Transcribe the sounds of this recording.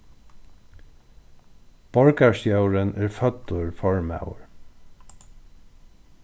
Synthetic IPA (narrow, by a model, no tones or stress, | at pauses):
b̥ɔɹkaɹsjœwɾənæːɹfœt̪ːʊɹfɔɹma̰wə̰ɹ